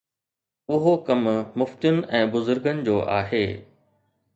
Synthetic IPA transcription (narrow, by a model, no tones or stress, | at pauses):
ʊɦokɐmmʊft̪jʊnɪ̆ɛ̃ːbʊzʊɾɡənɪ̆d͡ʑoːʔa̰ːɦeː